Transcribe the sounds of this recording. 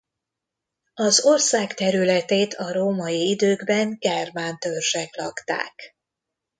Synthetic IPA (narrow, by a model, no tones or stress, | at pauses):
ɒzo̞rsaːkt̪ɛɾylɛt̪eːt̪ʰɒɾoːmɒjiid̪øːɡbɛŋɡɛrmaːnt̪ørʒɛklɒkt̪a̰ːk